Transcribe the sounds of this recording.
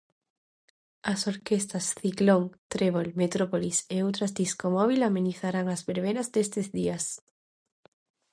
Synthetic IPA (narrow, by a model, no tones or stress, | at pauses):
asoɾkest̪asθikloŋt̪ɾeβ̞olmet̪ɾopoliseowt̪ɾazd̪iskomɔβ̞ilameniθaɾaŋazβeɾβeɾazd̪est̪ezðias